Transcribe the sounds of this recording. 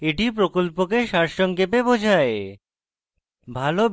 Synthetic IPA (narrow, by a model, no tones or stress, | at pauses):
eʈipɾokolpok̬eʃaɾʃɔŋkepebod͡ʑʱae | bʱalo